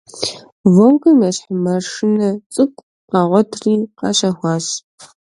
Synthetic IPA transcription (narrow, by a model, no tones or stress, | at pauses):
vowkɨmɐɕħmɐrʂɨnɐt͡sʼɨkʷʼ | qɑːʁʷɔtʰriːqɑ̰ɕɐxʷɑːɕ